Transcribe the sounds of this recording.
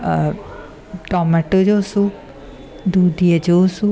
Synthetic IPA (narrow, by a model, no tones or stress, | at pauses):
ʈɔːmɛʈod͡ʒoːsu | d̪uːd̪iad͡ʒosu